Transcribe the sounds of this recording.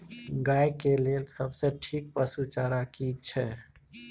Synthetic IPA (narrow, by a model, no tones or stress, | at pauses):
ɡajkelelsəbseʈʰik̚pəsut͡ʃaɾakit͡ʃʰɛ